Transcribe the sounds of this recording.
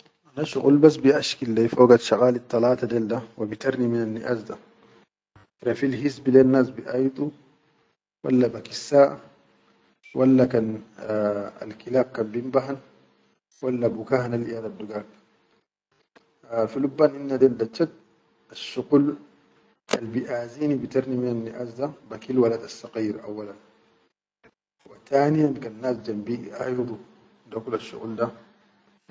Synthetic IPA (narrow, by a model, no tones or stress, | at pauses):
ʔanaʃuqulbasbiʔaʃkilːefoːɡat̪ʃɑqʼaːlit̪ˤːɑlɑːt̪ad̪eld̪awabit̪ɐɾniminanːiʔaːsd̪a | ɾafilhisbileːnːaːsbiʔajt̪ʼu | wa̰lːabɐkisːaːʔa | wʔalːakan | ɐ̰lkilaːb̚kambimbaɦan | walːabukaːhanalʔijad̪ad̪ːuɡaːk | filubːaːnʔinːad̪andat͡ʃːat̪̚ | aʃːuɣul | ʔa̰lbiʔaːziːnibit̪aɾniminanːiʔaːsd̪abakilwalad̪asːɑqiːɾʔawːalan | wat̪aːnijankanːaːsd͡ʒambiʔajd̪ˤu | d̪akulaʃːṵɣṵld̪a